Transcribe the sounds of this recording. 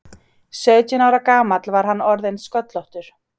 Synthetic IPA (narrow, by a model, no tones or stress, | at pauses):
sœːɥcɪnaːwɾakaːmat̪lvaɾ̥ɦanːɔɾðejnskœt̪lɔht̪ʏɾ̥